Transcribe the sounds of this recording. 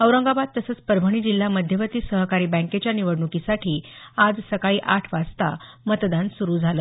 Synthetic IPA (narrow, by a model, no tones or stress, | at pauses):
əʋɾəŋɡabad̪̚t̪ːəsət͡spəɾbʱəɳ̃iːd͡ʑil̤ːaməd̪ʱjəʋət̪iːsəɦkaɾiːbə̃ket͡ɕjaniʋəɽɳukisaʈʰiːad͡zsəkaɭiːʔaʈʰʋad͡zt̪a̰ | mət̪d̪ansuɾuːd͡zʱalə